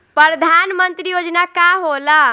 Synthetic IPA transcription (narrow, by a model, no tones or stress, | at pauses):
pəɾəd̪ʱanmənt̪ɾijod͡ʒnakaɦola